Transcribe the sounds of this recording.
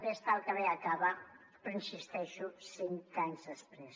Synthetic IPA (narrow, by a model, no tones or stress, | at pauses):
pest̪alˠkəβeakaβa | pɾənsist̪ɛʃusiŋkaɲzðəspɾes